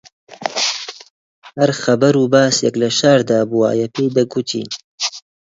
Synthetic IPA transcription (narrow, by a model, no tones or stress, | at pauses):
hɐɾxɐbɐɾuːbaːsjɐklɐʃaːɾd̪aːbuwa̰ːjɛpʰeːjd̪ɐɡut̪ʰḭːn